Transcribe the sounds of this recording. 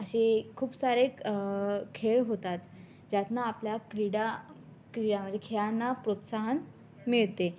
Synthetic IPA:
əɕekʰuːpsaɾek | kʰeɭɦot̪at̪ | d͡ʑat̪naːpljakɾiɽa | kɾiɽam̤əɳd͡zʱekʰeɭanːapɾot̪saɦən | miɭt̪e

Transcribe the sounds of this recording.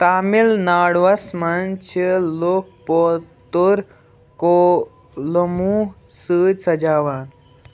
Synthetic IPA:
t̪aːmilnaːɽʋɐsmant͡ʃʰeloːk̚pot̪uɾ | ko | lɐmu | sɨːjsɐd͡ʒaːʋaːn

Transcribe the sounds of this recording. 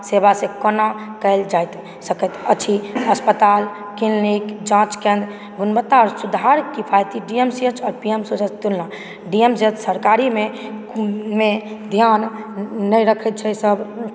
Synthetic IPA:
sebasẽkɔnakəɪld͡ʒajt̪ | səkət̪ət͡ʃʰiəspət̪al | killikd͡ʒãt͡ʃkẽnd̪ | ɡunbət̪ːaɔɾsud̪ʱaɾkipʰajt̪iɖiemsiət͡ʃʰɔɾpiemsod͡ʒat͡ʃt̪ulna | ɖiemsiət͡ʃsəɾkaɾime | med̪ʱjanː | əjɾəkʰət̪̚t͡ʃʰɛsəb

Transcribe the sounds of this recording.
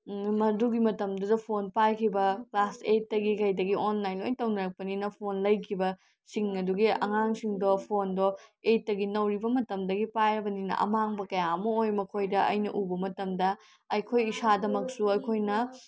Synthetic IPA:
mɐduɡimɐtɐmdudɐpʰonpajkʰibɐklaset̚ːɐɡikɐjdɐɡionlajnlojtɐwnɐɾɐk̚pɐninɐpʰonlɐjkʰibɐ | siŋɐduɡiɐ̰ŋaŋsiŋdopʰondɔet̚ːɐɡinɐwɾibɐmɐtɐmdɐɡipajɾɐbɐninɐ̰ʔɐ̰maŋbɐkɐjaɐmɐojmɐkʰojdɐʔɐ̰jnɐ̰ʔubɐmɐtɐmdɐ | ɐjkʰojisadɐmɐksuɐjkʰojnɐ

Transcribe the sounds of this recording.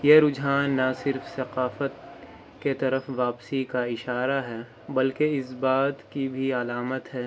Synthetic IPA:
jeɾʊd͡ʒɦaːnːasɪɾfsɐqaːfət̪ | ket̪ɐɾəfʋaːpsikaɪʃaːɾaɦɛː | bɐlkeɪsbaːt̪kibʱiɐlaːmət̪ɦɛː

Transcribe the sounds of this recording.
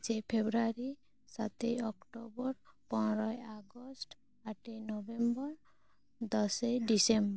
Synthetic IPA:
d͡ʒepʰebɾaɾi | sat̪ejɔkʈobɔɾpɔnɾɔjaɡɔsʈ | aʈejnɔbembɔɾ | d̪ɔsejɖisemb

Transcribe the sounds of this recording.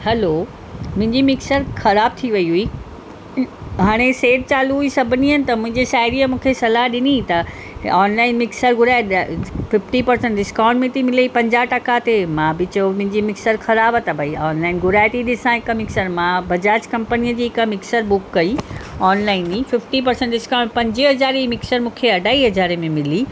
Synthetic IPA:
hɐlo | mʊ̃ɦɪ̃ɲd͡ʑimɪksəɾxɐɾaːb̚t̪ʰiʋɐiɦui | ɦaːɽ̃eseːʈ̚t͡ɕaːluɦuisɐbʱniɦənɪ̆t̪ɐmʊ̃ɦɪ̃ɲd͡ʑeʃaːɪɾiəmũːkʰesɐlaɦɗɪnit̪ɐ | ɔːnlaːɪnmɪksəɾɡʊɾaːɪɗfɪfʈipɐɾsə̃ɳʈɖɪskãːɳʈmẽt̪ʰimɪleipɐ̃ɲd͡ʑaːʈɐkat̪emãbɪt͡ɕɐjomʊ̃ɦɪ̃ɲd͡ʑimɪksəɾxɐɾaːbət̪ɐbʱɐiɔːnlaːɪnɡʊɾaːjt̪iɗɪsãɪkəmɪksəɾmãbɐd͡ʑaːt͡ɕkɐ̃mpəniːəd͡ʑiːɪkəmɪksəɾbʊkːɐiɔːnlaːɪnifɪfʈip̬ɐɾsə̃ɳʈɖɪskaːʊ̃ɳɖpɐ̃ɲd͡ʑiɦɐd͡ʑaːɾmɪksəɾmũːkʰeɐɖʱaːiɦɐd͡ʑaːɾemẽmɪli

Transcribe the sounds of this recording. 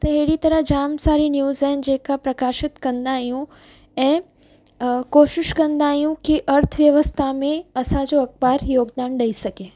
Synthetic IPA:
t̪ɐɦeɦɪɽit̪ɐɾəɦd͡ʑaːmsaːɾinjuːzaːɦɪn̆d͡ʑeːkapɾɐkaːʃɪt̪kɐ̃nd̪aːɦijũ | ɛ̃ː | koːʃɪʃkɐ̃nd̪aːɦijũkiʔɐɾt̪ʰəʋjɐʋəst̪ʰamẽɐsãd͡ʑoɐkbaːɾjoːɡd̪aːnɗɐisɐɡeː

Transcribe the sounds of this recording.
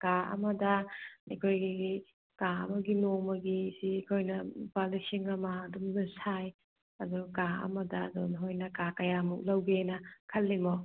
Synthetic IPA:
kaɐ̰mɐdɐikʰojɡii | kaɐ̰mɐɡinomɐɡisiːkʰojnɐbalisiŋɐmɐːdumnɐsaj | ɐdukaɐ̰mɐdɐːdunɦojnɐkakɐjamuk̚lɐwɡenɐkʰɐlːimɔ

